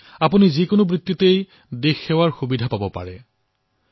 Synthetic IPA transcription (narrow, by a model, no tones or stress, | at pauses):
apunizikʊnobɹit̪ːitej | dexːɛwaɹxubidʱapabɔpa̰ɹɛ